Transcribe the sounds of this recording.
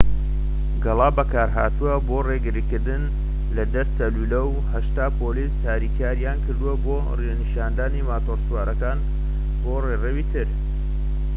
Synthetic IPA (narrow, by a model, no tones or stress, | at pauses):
ɡɐlˠɑːbɐkaːɾɦaːt̪uwɐboːreɡɨɾikɨɾd̪ɨn | lɐd̪ɐɾt͡sɐluːlɐw | hɐʃt̪aːpoːliːshaːɾiːkʰaːɾjaːnkɨɾd̪uwɐboː | renɨʃaːnd̪aːnimaːt̪oɾsuwaːɾɐkaːn | boːrerewiːt̪ʰɨɾ